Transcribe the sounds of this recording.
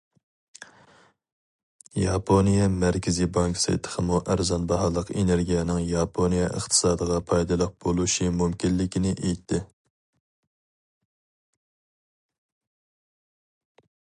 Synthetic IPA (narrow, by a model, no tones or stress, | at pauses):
jɑpʰonijɛmæɾkʲʰɪzibɑŋksɨ̰t̪ʰə̥χʰəmuʔæɾzɑnbɑɦɑːlˠəqeneɾɡʲijɛnɪŋjɑpʰonijɛʔə̰χt̪ʰɨ̥sɑːd̪əʁɑpʰɑjd̪ɨlˠəq̚b̥olˠuʃimumkʲilːɪkʲinɪʔejt̪ʰːɪ